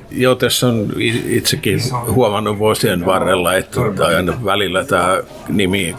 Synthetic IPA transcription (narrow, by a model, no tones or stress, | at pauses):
jot̪esːoniit̪sekːihuomɑnːoʋʋoːsienʋɑrːelːɑet̪ːɑɑinɑʋælilːæt̪æː | nimiː